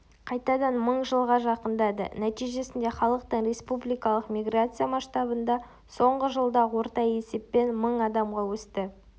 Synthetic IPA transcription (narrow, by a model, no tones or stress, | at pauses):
qʰɑjt̪ɑd̪ɑnməɴʒəlˠʁɑʒɑqənd̪ɑd̪ə̰næt̪ijʒe̞sɪnd̪e̞χɑlˠəq̚t̪əɴre̞spublijkɑlˠəqmʲijɡrat̪sɨjamɑʃt̪ɑbənd̪ɑ | so̞ɴʁəʒəlˠd̪ɑwo̞ɾt̪ɑje̞se̞pːe̞nməɴɑd̪ɑmʁɑwɵst̪ɪ